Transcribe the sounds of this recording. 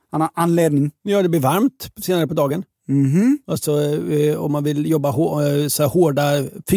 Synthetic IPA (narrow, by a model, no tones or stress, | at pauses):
hanhaɾʔanleːd̪nɪŋjɑːd̪ɛblɪɾvaɾmt̪seːnaɾəpɔd̪ɑːɡən | m̩halsɔɔmːanvɪljɔbːahosɔæːhoːɖaf